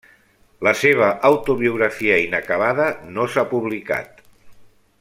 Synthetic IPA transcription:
ləseβ̞əʔːwt̪uβiuɣ̞ɾafiəinəkəβ̞aðənosapuβlika̰t̪

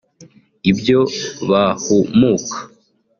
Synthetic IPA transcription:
ibjoβahumuːkʰḁ

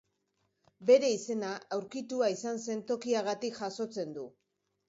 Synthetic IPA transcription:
be̞ɾe̞ise̞naawɾkit̪uaisanse̞nt̪o̞kiaɣat̪ikʝaso̞t͡se̞nd̪u

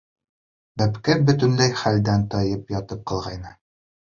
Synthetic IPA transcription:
bæpkæbɵ̆t̪ɵ̆nlæjχæld̪ænt̪ɒjɤpjɒt̪ɤp̚qɒlˠʁɑjnɤ

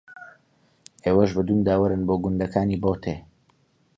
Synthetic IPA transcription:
ʔeːwɐʃbɨd̪uːnd̪aːwɐɾɨnboːɡʊnd̪ɐkʰaːniːboːt̪ʰeː

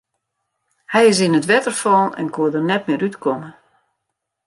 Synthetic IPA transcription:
hɛjɪs̬inətʋɛtərfɔːnɛ̰nkuədərnɛt̚mɪəɾytkʰomə

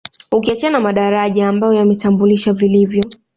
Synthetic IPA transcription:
ukiat͡ʃaanamaɗaɾaʄaːmbajɔjamɛtambuliʃavilivjɔ

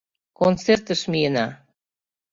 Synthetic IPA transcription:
kont͡sert̪ə̆ʃmijənɑ

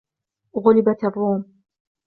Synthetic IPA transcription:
ɣʊlɪbat̪ɑrˤːuːm

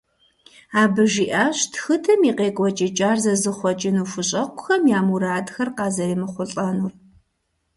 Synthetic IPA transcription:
aːbɨʒiːʔaːɕtxɨtʰɐmiːqeːkʷʼɔt͡ʃʼɪt͡ʃʼaːrzɐzɨχʷɔt͡ʃʼɪnuːfʊɕʼɐqʷʼʊ̥xɐmjaːmuɾaːdxɐrqɑːzɐjɪmɨχʷʊɬʼɐnur

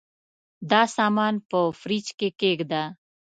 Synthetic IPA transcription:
d̪aːsaːmaːnpofɾiːt͡ʃkeːkeːkd̪aː

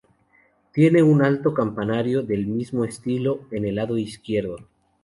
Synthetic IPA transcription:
t̪je̞ne̞unalt̪o̞kampanaɾjoðe̞lmizmoest̪ilo̞enelaðo̞iskje̞ɾðo

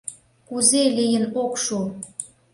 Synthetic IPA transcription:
kuzelijənokʃu

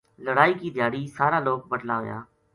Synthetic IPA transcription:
ləɽaːiːkiːd̪ʱjaːɽiːsaːɾaːloːk̚bəʈlaːɦo̰ja̰ː

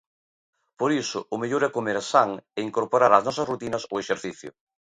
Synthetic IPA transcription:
poɾisʊːmeʎoɾɛkomeɾsaŋɛiŋkoɾpoɾaɾɐznɔsɐsrut̪inɐsʊeʃeɾθiθjʊ̰

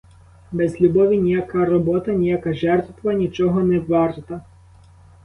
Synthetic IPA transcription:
bɛzlʲubɔʋʲinʲijɐkɑrɔbɔt̪ɐnʲijɐkɑʒɛrt̪ʋɐnʲit͡ʃɔɦɔnɛʋɑrt̪ɐ

